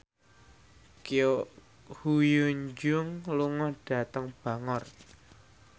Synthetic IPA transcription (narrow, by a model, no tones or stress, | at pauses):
kio | hujuɲd͡ʒʊŋluŋɔɖ̥ä̤t̪əŋb̥ä̤ŋɔr